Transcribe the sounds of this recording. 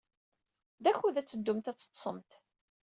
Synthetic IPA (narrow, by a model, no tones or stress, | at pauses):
ðæçuðæt͡sːəd̪ːumt̪æt͡sːə̥t̪ːˤsˤəmt̪